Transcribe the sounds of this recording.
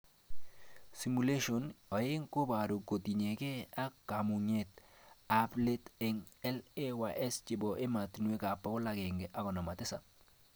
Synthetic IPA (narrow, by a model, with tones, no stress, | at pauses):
si˨mu˨le˦ʃo˨nɔ˨jɪ˦ŋko˦ba˨ɾo˨ko˨ti˨ɲe˨ke˦a˦ka˨mu˨ɲe˨t̪a˦ple˦te˨ŋɛ˦le˦wa˨ʔɛ˦st͡ʃɪ˨bɔ˨ʔe˦ma˨tnwe˦ka˨pːɔ˦kʊ˦la˦ɡe˨ŋɡe˨ʔa˦ɡɔ˨nɔ˨ma˨tɪ˦sa˨